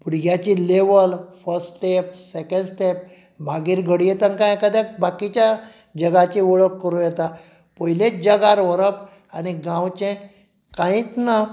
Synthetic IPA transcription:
buɽɡjat͡ɕileʋəlfəɾssʈep̚sekəɳɖsʈep̚ | m̤aɡiːɾɡʱəɽijet̪ankãjkəd̪ɛ̃bakit͡ɕja | d͡ʑəɡat͡ɕiʋɔɭəkːəɾujɛt̪a | pəɦilet͡sd͡ʑəɡaɾʋəɾəp | aniɡãwt͡ɕẽ | kãĩt͡s̪na

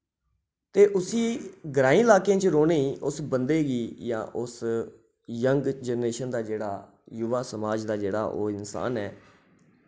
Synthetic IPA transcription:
t̪eːʔʊsiːɡɾãːĩːlaːkẽːt͡ʃɾoːneːʔʊsbənd̪eːɡiːjã̰ːʔʊs | jəŋɡd͡ʒənɾeːʃənd̪aːd͡ʒeːɽaː | juʋaːsəmaːd͡ʒd̪aːd͡ʒeːɽa̰ːʔo̰ːɪnsa̰ːnɛː

